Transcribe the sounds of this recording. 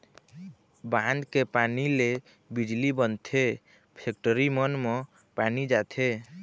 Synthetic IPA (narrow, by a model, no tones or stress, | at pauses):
band̪kepanile | bid͡ʒlibənt̪ʰe | pʰek̚ʈəɾimʌnmɔ | panid͡ʒat̪ʰe